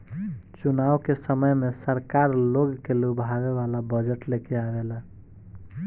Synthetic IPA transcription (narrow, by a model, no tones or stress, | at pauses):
t͡ʃunawkesəməjmesəɾkaɾloɡkelubʱabeβalabəd͡ʒəʈlekeabelə